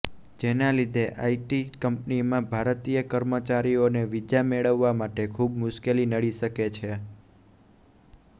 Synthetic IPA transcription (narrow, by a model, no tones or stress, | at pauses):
d͡ʒenalid̪ʱeʔaiʈikəmpnimãbʱaɾt̪ijəkəɾmət͡ʃaɾioneʋid͡ʒameɭəʋːamaʈekʰubmʊʃkelinəɽiʃəket͡ʃʰe